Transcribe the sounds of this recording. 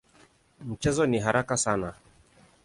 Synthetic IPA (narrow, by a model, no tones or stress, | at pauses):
m̩t͡ʃɛzɔniɦaɾakasana